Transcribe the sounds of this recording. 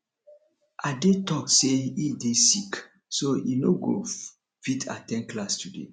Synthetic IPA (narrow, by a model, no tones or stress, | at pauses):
ʔadetɔkseidesik | soinoɡo̰ | fitʰa̰tɛ̃nklastudḛ